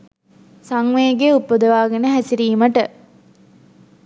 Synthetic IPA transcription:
saŋʋeːɡeupːod̪əʋaːɡenəɦæsiɾiːməʈə

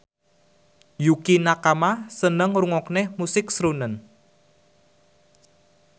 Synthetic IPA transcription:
jukinakamasənəŋruŋɔknehmusɪk̚sɾunən

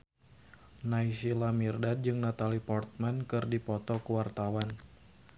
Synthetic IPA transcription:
naisilamirdad̚d͡ʒɨŋnat̪alipɔrt̪̚mankɨrdipɔt̪ɔkəwart̪awan

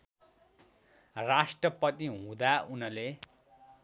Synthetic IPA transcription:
rasʈrʌpʌt̪iɦũd̪aunʌle

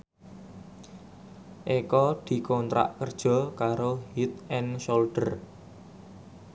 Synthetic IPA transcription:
ʔekɔd̪̥i̤kɔnt̪ɾa̰ʔkərd̥ʒ̥ɔ̤kaɾoɦit̪̚ɛnsolɖ̥ər

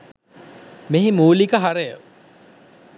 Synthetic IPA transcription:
meɦimuːlikəɦaɾejə

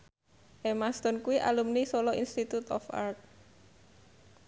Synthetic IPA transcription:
ʔemast̪ɔnkuwiʔa̰lumnisolɔinst̪it̪ut̪ɔ̰fa̰rt̪̚

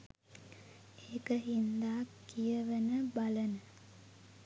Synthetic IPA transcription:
eːkəɦind̪aːkːijəʋənəbalənə

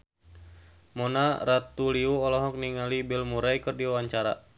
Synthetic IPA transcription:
mɔnaɾat̪uliuɔlɔɦɔk̚niŋalibɛlmuɾajkɨrdiawaɲt͡ʃaɾa̰

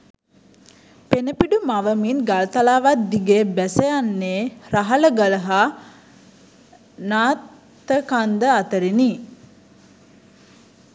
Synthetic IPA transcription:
penəpiɖumaʋəminɡalət̪alaːʋat̪̚d̪iɡeːbæsəjanːeːɾaɦaləɡələɦa | naːt̪ | əkand̪əat̪əɾini

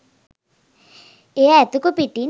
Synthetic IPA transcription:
eɛt̪ukupiʈːin

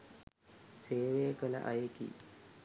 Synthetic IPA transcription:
seːʋejəkələ̰ʔa̰jekḭ

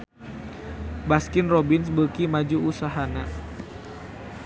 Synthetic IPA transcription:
baskɪnrobɪnsbəkimad͡ʒuusaɦana

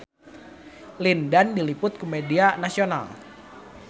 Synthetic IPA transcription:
lindandilipʊt̪̚kumedianasiona̰l

